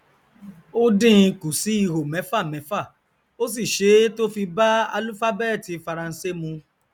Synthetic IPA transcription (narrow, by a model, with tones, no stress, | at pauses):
o˦dĩ˦˧ku˨si˨˦i˦˧˨ɦo˨mɛ̃˨˦fa˦˨mɛ̃˨˦fa˦˨ | o˦s̬i˦˨ʃe˨˦to˦fi˧ba˦a̰˧lu˦fa˦bɛ˦˨ti˨˧fa˧ɾã˧n̩˧˦se˦mũ˧